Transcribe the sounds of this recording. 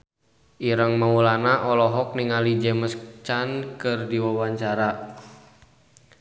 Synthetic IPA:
ʔiɾəŋmaulanaʔɔlɔɦɔk̚niŋalid͡ʒɛməskt͡ʃankɨrdiwawaɲt͡ʃaɾa

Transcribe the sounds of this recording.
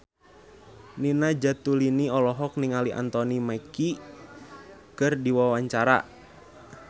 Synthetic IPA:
ninad͡ʒat̪uliniɔlɔɦɔk̚niŋaliʔa̰nt̪ɔnimaki | kɨrdiwawaɲt͡ʃaɾa̰

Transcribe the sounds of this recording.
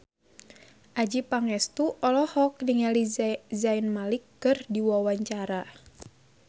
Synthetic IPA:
ʔad͡ʒipaŋɛst̪uʔɔlɔhɔk̚niŋalizainmalikːɨrdiwawaɲt͡ʃaɾa

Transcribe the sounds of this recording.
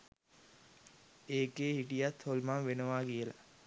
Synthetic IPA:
eːkeːhiʈijat̪holmamʋenəʋaːkijəla̰

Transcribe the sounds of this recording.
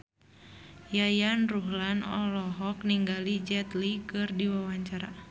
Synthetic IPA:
jajanruɦlanɔ̰lɔɦɔkniŋɡalid͡ʒɛt̪likɨrdiwawaɲt͡ʃaɾa

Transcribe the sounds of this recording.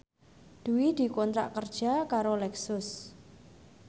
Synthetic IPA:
d̪̥uwid̪̥i̤kɔnt̪ɾa̰ʔkərd̥ʒ̥a̤kaɾolɛksʊs

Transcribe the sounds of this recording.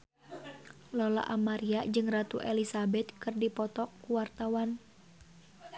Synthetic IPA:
lɔla̰ʔamaɾiaʔd͡ʒɨŋrat̪uʔɛlisabɛt̪̚kɨrdipɔt̪ɔkːuwart̪awan

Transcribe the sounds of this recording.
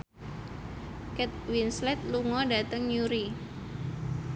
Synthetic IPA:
kɛt̪̚winslɛt̪̚luŋɔdat̪əŋjuɾi

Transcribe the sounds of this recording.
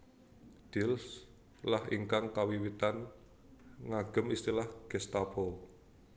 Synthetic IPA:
d̪̥ils | lahḭŋkaŋkawiwit̪an | ŋaɡ̥ə̤mist̪ilahɡ̥ɛst̪apɔ

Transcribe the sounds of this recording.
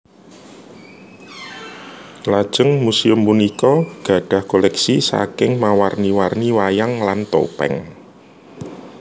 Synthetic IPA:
lad̥ʒ̥əŋmusiʊmpunikɔɡ̥ä̤ɖ̥ä̤hkolɛksisa̰kɪŋmawarniwarniwajaŋlant̪o̰pɛ̰ŋ

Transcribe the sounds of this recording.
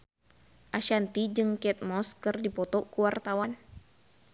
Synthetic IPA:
ʔaʃant̪id͡ʒɨŋkɛt̪̚mɔskɨrdipɔt̪ɔkuwart̪awan

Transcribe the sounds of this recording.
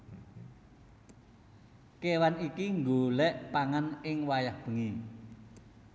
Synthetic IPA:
kewanikiŋɡolɛʔpaŋanɪŋwajahb̥ə̤ŋi

